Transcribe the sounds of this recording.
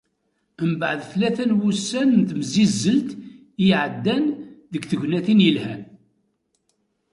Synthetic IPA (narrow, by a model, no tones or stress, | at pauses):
əmbəʕəðθlæθænwusːænðməzizːəlt̪ | iʕəd̪ːænðəɡθəʝnæθinjəlhæn